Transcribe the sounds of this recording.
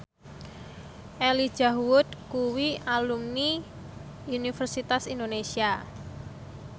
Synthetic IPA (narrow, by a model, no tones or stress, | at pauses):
ʔeli̥ʒ̥aɦuwʊt̪̚kuwialumni | unifərsit̪asindonesia